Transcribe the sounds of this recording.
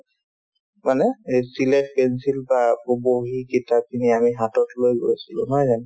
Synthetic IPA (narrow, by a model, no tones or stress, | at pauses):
manɛsilɛk̚pɛnsilbaoboɦikitʰap̚kiniamiɦatɔtlojɡo̰jsilʊ̰̃nɔjzan